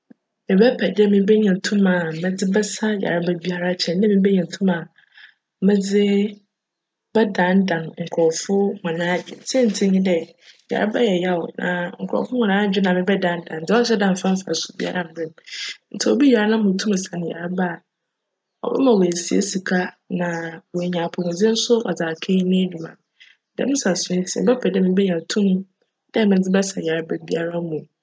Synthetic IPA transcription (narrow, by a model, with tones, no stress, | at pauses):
mɪ̃˨bɛ˦pʰɛ˨dɛ˦mɪ̃˦bɛ˦ɲã˨tʰũ˦mã˨mɛ̃˦d͡zɪ˦bɛ˦sa˦ja̰˨ɾa˦ba˦bi˦a˦ɾa˦t͡ɕʰɛ̃˨nːã˦mĩ˦bɛ˦ɲã˨tʰũ˦mã˨ | mɛ̃˦d͡zɪ˦ | bɛ˦dã˨˦ndã˨nŋ̩˨kʰɔ˨ɾfʊ˦ŋɔ̃˨nãː˦d͡ʑᶣɪ̰˨sɛ˦n̩˨tʰɪ̃˦ɲɪ̃˦dɛ˨ | ja̰˨ɾa˦ba˦jɛ˨ja˦ɔ̰˨nʔã̰˨ŋ̩˨kʰʊ˨ɾɔ̰˨fʊ̃˦hɔ̃˨nãː˦d͡ʑᶣɪ˦nã˨mɪ̃˨bɛ˦dã˦ndã˨n̩˨d͡zɪ˦ɔ˦ɕɛ˦dã˨m˨fã˦m̩˦fa̰˨sʊ̥˨bḭ˦a̰˦ɾã˨m̩˨bɪ̃˦m˨n̩˨tʰɛ˨o˨bi˦ja˨ɾa˦nã˦ʊ̃˨tʰũ˦m˨sa˨nɪ̃˨ja̰˨ɾa˦ba˦˨ | ɔ̰˨bɛ̰˦mã˨wo˨si˨ḛ˦si˨kʰa˦ | nã˨we˨ɲã˨pʰɔ˨mʊ̃˨d͡zɪ˦n̩˦sʊ˦ɔ˨d͡zaː˨kʰe˦nẽ˦du˨mã̰˨ | dɛ̰˨˦mɪ̃˦sa˨sʊ̃˦tʰm̩˦bɛ˦pʰɛ˨dɛ˦mɪ̃˦bɛ˦ɲã˨tʰũ˦m˦ | dɛ˦mɪ̃˨˦d͡zɪ˦bɛ˦sa˨ja˨ɾa˦ba˦bi˦a˦ɾa˦mũ˨